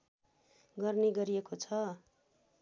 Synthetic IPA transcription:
ɡʌrneɡʌɾiekot͡sʰʌ

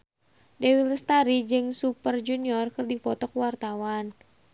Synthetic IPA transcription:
dɛwilst̪aɾid͡ʒɨŋsupərd͡ʒuniɔrkɨrdipɔt̪ɔkwart̪awan

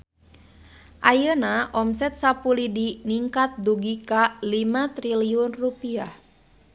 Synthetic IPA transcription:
ʔajənaʔɔmsɛt̪̚sapulidiniŋkat̪̚d̪uɡikalimat̪ɾiliʊnrupiah

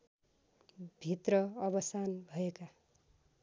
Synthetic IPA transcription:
bʱit̪rʌʌbʌsanbʱʌeka

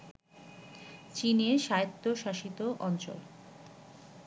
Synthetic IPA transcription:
t͡ɕineɾʃaet̪ːoʃaʃit̪oʔɔnt͡ɕo̰l

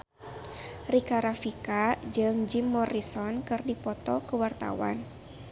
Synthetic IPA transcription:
rikaɾafikad͡ʒɨŋd͡ʒimːɔrisɔnkɨrdipɔt̪ɔkəwart̪a̰wa̰n

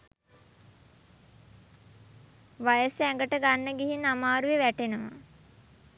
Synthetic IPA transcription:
ʋajəsæŋɡəʈəɡanːəɡiɦinamaːɾuʋeʋæʈenəʋa̰

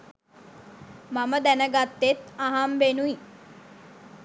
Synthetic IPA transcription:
maməd̪ænəɡat̪ːet̪aɦamʋenui

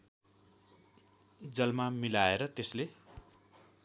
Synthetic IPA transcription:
d͡zʌlmamilaeɾʌt̪esle

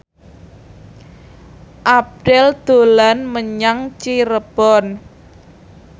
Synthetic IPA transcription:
ʔap̚ɖ̥ɛld̪̥o̤lanməɲaŋt͡ʃiɾəb̥ɔn

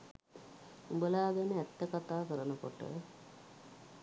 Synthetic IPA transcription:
ubəlaːɡenəæt̪ːəkat̪aːkəɾənəko̰ʈə̰

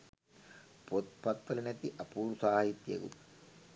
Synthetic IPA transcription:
pot̪pɐt̪ːɐlɐnɐt̪ːiʔɐpuːɾusaːɦit̪jḛɡṵ

